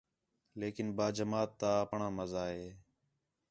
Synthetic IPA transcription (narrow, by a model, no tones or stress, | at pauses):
leːkɪnbaːd͡ʒəmaːt̪ːãːəpɳãːməzaːɦeː